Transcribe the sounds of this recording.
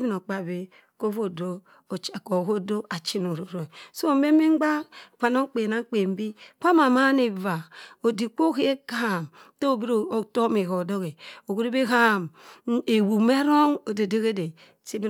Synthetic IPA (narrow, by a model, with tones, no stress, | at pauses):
bi˦no˨k͡pa˨be˦ | ko˦vo˦˨do˦˨ | t͡ʃko˨ɣo˦do˦a˨t͡ʃi˦no˨ɾu˨ɾo˨so˦˨˦me˦me˦ɡ͡ba˦kʷa˨no˦ŋ˦k͡pe˨na˦ŋ˦k͡pe˨m˦bi˦ka˦ma˨ma˦ne˨va˨o˨di˨k͡po˦ɣe˦e˦ka˦˨m | to˦˨bi˦ɾto˦me˨ɣo˨do˦ɣe˨o˨ɡu˦ɾi˦be˦ɦa˦˨me˨wu˨me˦ɾo˦ŋo˨de˨de˦ɣe˦de˨ | ti˦bi˦˨